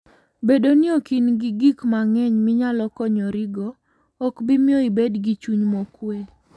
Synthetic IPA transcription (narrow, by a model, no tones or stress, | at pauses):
bedonɪɔkinɡɪɡikmaŋɛɲmɪɲalɔkɔɲɔɾɪɡɔː | kbɪmɪɔibedɡit͡ʃuɲmɔkwe